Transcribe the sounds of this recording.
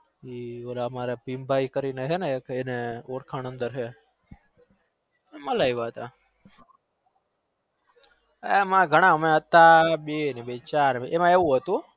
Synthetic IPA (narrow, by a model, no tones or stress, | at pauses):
iolamaɾepimbʱaikəɾineɦenekeneoɽkʰañənd̪əɾɦe | eməlaiʋaɦət̪a | emãɡʱəɽ̃ãmeət̪ːaɓenebet͡ʃaɾeʔemãeʋũɦət̪ũ